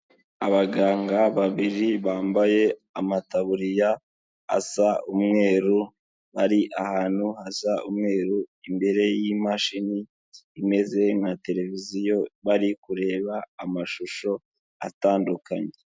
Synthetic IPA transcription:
aβaɡaːŋɡaβaβiɾiβaːmbaje̞amataβuɾija | a̰saumŋe̞ːɾu | βaɾiʔahaːn̥huhasaʔumŋe̞ːɾuimbe̞ɾe̞jimaʃiniː | me̞ze̞ŋate̞ɾe̞vizijo̞βaɾikuɾe̞ːβaːmaʃuʃo̞ | a̰taːndukaɲee

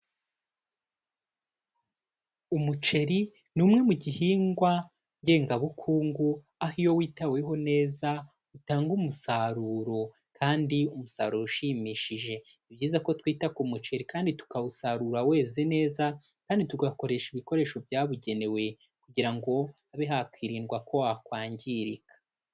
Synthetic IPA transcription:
umut͡ʃe̞ɾi | numŋe̞muɟihiːŋɡwa | ɲɟe̞ːŋɡaβukʰuːŋɡu | ahijo̞wiːtawe̞ɦo̞ne̞ːza | utaːŋɡumusaɾuːɾo̞ | kʰaːndiumusa̰ːɾuɾouʃimiːʃiʒe̞ | ibɟiːzako̞twiːtakumut͡ʃe̞ɾikaːnditu̥kaβusaɾuːɾawe̞ːzene̞ːza | kaːndituɡako̞ɾe̞ːʃiβiko̞ɾe̞ːʃo̞bjaːβuɟe̞ne̞we̞ | kuɟiɾaŋɡo̞ | aβeɦakwiːɾiːnɡwakʰo̞wakwaːɲɟiɾikḁ

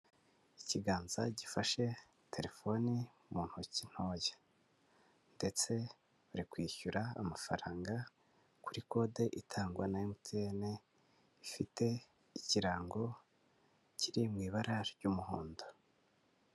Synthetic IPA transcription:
iciɡaːnzaɟifaʃe̞ | tʰe̞ɾe̞fo̞ni | muːn̥hucin̥ho̞je̥ | nde̞t͡se̞ | uɾikwiːçuɾa̰ːmafaɾaːŋɡa | kuɾiko̞ːde̞ʔitʰaːŋɡwanajomutiene | ifite̞ | iciɾaːŋɡo̞ | ciɾimŋiːβaɾaɾɟuːmuɦoːndo

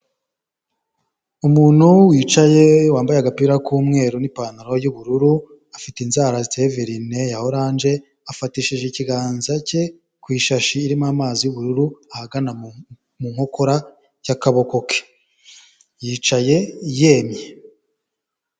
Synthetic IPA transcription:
umuːn̥huwiːt͡ʃaje̞waːmbajaɡapiɾakuːmŋe̞ːɾunipaːnaɾo̞juβuɾuɾu | afiteinzaːɾazizeveɾine̞jaho̞ɾaːnd͡ʒe̞ | afatiʃiʒeciɡaːnzace̞ | kwiːʃaʃiːɾimamaːzijuβuɾuɾuahaɡana | muŋ̥o̞ko̞ɾa | jakaβo̞ko̞kʰe̥ | jiːt͡ʃaje̞je̞ːmje

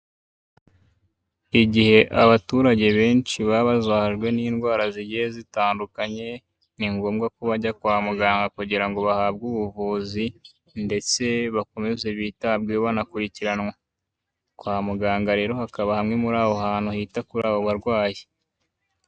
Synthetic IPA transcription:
iɟihe̞ʔaβatuːɾaɟe̞βe̞ːnt͡ʃiβaβazaːhaʒɡwe̞niːnɡwaːɾaziɟihezitaːndukaɲe̞ | niŋɡo̞ːmɡakuβaɟakwaːmuɡaːŋɡakuɟiɾaŋɡo̞βahaːbɡuβuvuːzi | nde̞t͡se̞βako̞me̞zeβiːtab̚ɡeβanakuɾiciɾanŋwa | kwaːmuɡaːŋɡaɾe̞ːɾo̞hakaβahamŋe̞muɾaːβo̞haːnhuhiːtakuɾaːβo̞βaɾɡwaːje

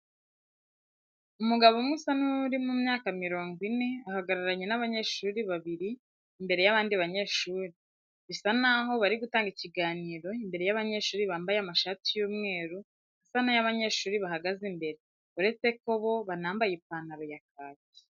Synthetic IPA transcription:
umuɡaβo̞mŋusanuɾimumɲaːkamiɾo̞ːŋɡwine̞ahaɡaɾaɾaɲe̞naβaɲe̞ʃuːɾiβaβiɾiː | mbe̞ɾe̞jaβaːndiβaɲe̞ːʃuːɾi | βisanaɦo̞βaɾiɡutaːŋɡiciɡaːniːɾo̞imbe̞ɾe̞jaβaɲe̞ːʃuːɾiβaːmbajeamaʃatijuːmŋe̞ːɾu | asanajaβaɲe̞ːʃuːɾiβaɦaɡazimbe̞ɾe̞ | uɾe̞t͡se̞ko̞βo̞βanaːmbajepaːnaβajak̚aːzi̥

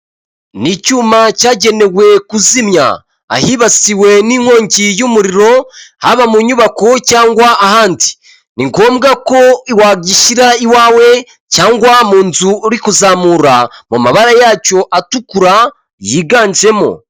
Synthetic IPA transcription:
nicuːmacaːɟe̞ne̞we̞kuzimɲa̰ | a̰hiβasiwe̞niːŋ̥wo̞ːɲcijumuɾiɾo̞haβamuɲuβakocaːŋɡwaːhaːndi̥ | niŋkomuɡako̞iwaːɡiʃiɾaiwaːwe̞ | caːŋɡwamuːnzuːɾikuzaːmuːɾamumaβaɾajaco̞ʔatukuɾa | jiɡaːɲzɾe̞mo̰

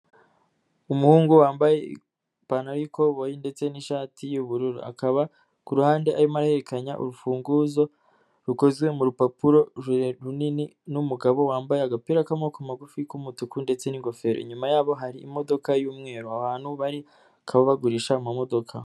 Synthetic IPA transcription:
umuhuːŋɡuwaːmbaje̞ḭ | panaɾiko̞βojinde̞t͡se̞niʃaːtʰijuβuɾuɾua̰kaβa | kuɾuhaːnde̞ʔaɾimaɾahe̞ɾekaɲaʔṵɾufuːŋɡuzo̞ | ɾuko̞zɡwe̞muɾupapuɾo̞ʒeɾeɾunininumuɡaβo̞waːmbajeaɡapiɾakamo̞komaɡufikumutukundet͡se̞niŋɡo̞fe̞ɾo̰ḭɲumajaːβo̞ɦaɾiːmo̞do̞kajuːmŋe̞ːɾuaβaːnhuβaɾi | kʰaβaβaɡuɾiʃamamo̞do̞kʰa

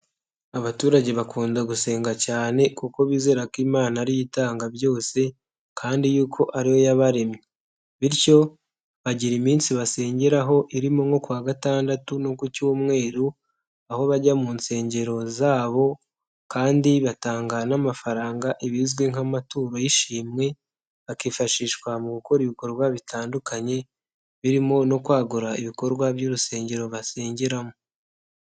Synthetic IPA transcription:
aβatuːɾaɟe̞βakuːndaɡuse̞ːŋɡacaːne̞kuko̞βiːze̞ːɾakimaːnaɾijitaːŋɡaβjo̞ːse̞ | kʰaːndijuːkʰo̞ʔaɾiho̞jaβaɾe̞mɲe | βiɾco̞ | βaɟiɾimiːnsiβase̞ːɲɟe̞ɾaɦo̞ʔiɾimoŋo̞kwaːɡataːndatuno̞kucuomŋe̞ːɾu | aho̞βaɟamuːnse̞ːɲɟe̞ɾo̞zaːβo̞ | kaːndiβataːŋɡanamafaɾaːŋɡaʔiβizɡweŋamatuːɾo̞jiʃiːmŋe̞ | βakiːfaʃiːʃkwamuβuko̞ɾiβiko̞ɾɡwaβitʰaːndukʰaɲe̞ | βiɾimo̞no̞kwaːɡuɾaiβiko̞ɾɡwaβɟuːɾuse̞ːɲɟe̞ɾo̞βase̞ːɲɟeɾamo

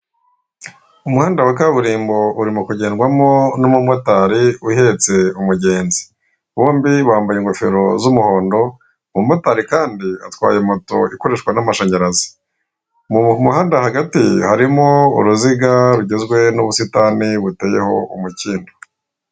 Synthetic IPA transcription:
umuhaːndawakaβuɾiːmbo̞uɾimukuɟe̞ːnɡwamonomumotaɾiuhe̞t͡se̞umuɟe̞ːnzi̥ | βoːmbiβaːmbajeŋɡofe̞̰ɾo̞zumuho̞ːndo̞ | mumotaɾikaːndiatkwa̰ːjemoto̞iko̞ɾe̞ʃkwanamaʃeɲaɾazi̥ | mumuhaːndahaɡatḭhaɾimoṵɾuziɡaɾuɟezɡwe̞nuβusitaniβuteːje̞ho̞ṵmuciːndo

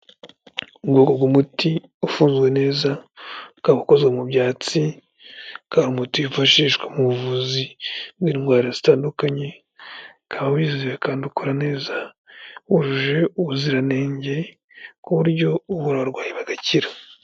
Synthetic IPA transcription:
ubɡoːkoɡumuti | ufuːnzɡwe̞ne̞ːzakaβako̞zɡwemubjaːt͡si | kaːɾumutiufaʃiːʃɡwemuβuvuzibwiːɾiŋɡwaːɾazitaːndukaɲe̞ | kaβawiziziβekaːndukuɾane̞ːza | wuʒuʒe̞uβuziɾane̞ːɲɟe̞ | kuβuɾɟo̞uβuɾaaɾɡwaːjiβaɡaciɾa

